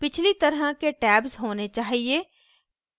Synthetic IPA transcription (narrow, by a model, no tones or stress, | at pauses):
pɪt͡ʃʰlit̪ɐɾɦəkeʈɛːbzɦoːnet͡ʃaːɦie